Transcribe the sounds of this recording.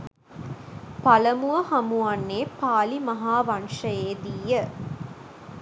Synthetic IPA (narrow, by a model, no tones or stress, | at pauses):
pɐlɐmuʋɐhɐmuɐnːeːpaːlimɐɦaːʋɐnʂɐjeːd̪ijə